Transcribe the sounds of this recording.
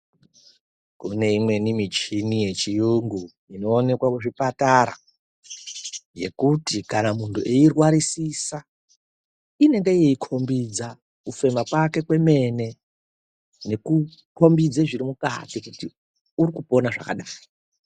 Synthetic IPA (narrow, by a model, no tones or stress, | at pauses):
kune̞imwe̞nimit͡ʃinije̞t͡ʃijuŋɡu | ino̞ːne̞kwakuʐipataɾa̰ | je̞̰kutikanamuntʰuʔeirwaɾisisa | ine̞ŋɡejeikʰo̞mbid͡za | kufe̞makwake̞kwe̞me̞ne̞ | ne̞kukʰo̞mbid͡zeʐiɾimuka̰tikuti | uɾikupo̞naʐa̰ka̰ɗaː